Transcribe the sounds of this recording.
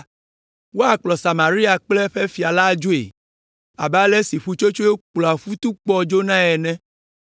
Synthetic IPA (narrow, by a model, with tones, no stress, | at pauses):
wo˦a˦˨k͡plɔ˨sa˨mã˨ɾi˦a˨k͡plɛ˦ɸɛ˦fi˨a˨la˦d͡ʒo˦ḛ˨ | a˨ba˦lɛ˦si˨ɸu˦t͡ʃo˦t͡ʃo˦e˦k͡plɔ˨a˨fu˦t̪u˦k͡pɔ˦d͡ʒo˦nã˦ɛ˨nɛ̃˦